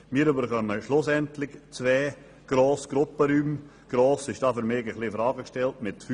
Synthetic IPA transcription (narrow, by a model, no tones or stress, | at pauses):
miːɾybəɾχœməʃlʊsɛntlɪçt͡sʋɛː | ɡ̥ɾoːsɡ̥ɾʊpəɾyːm | ɡ̥ɾoːsɪʃd̥ɑːfʏɾmɪːɡəχlifɾɑːɡəkʃtɛltmɪtfy